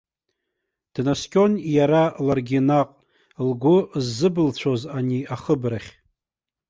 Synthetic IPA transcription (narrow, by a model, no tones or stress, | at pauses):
d̥naskʲʼo̞njaɾalarɡʲinaqʼ | lɡʷʊzːɨbɨlt͡ɕʷʰo̞zaniaχəbraχʲ